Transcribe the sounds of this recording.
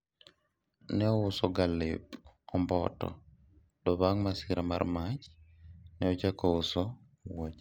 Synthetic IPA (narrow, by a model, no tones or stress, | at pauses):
nɛɔʊsɔɡalɪpɔmbɔtɔ̰ | dɔβaŋmasɪɾama̰ɾmat͡ʃnɛɔt͡ʃakɔʊsɔ | wat͡ʃ